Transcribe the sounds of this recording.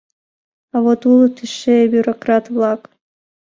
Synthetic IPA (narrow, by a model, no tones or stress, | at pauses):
ɑvot̪ulˠt̪ʰɨʃebʲjuɾokrɑt̪vlˠɑk